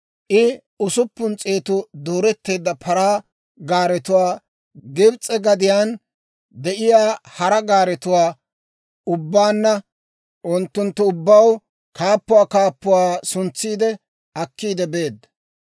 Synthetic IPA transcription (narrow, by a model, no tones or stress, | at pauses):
ʔɪ | ʊsʊpːʊnt͡sʼeːt̪ʊd̪oːɾɛt̪ːe̞ːd̪ːɐpʰɐɾaː | ɡaːɾɛt̪ʊwaː | ɡɪbt͡sʼːɛɡɐd̪ɪjaːn | d̪ɛʔɪjaːhɐɾɐɡaːɾɛt̪ʊwaː | ʊbːaːnːɐ | ʔʊnt̪ːʊnt̪ːʊʊbːɐw | kaːpːʊwaːkaːpːʊwaːsʊnt͡sːiːd̪ɛ | ɐkːiːd̪ɛbe̞ːd̪ːɐ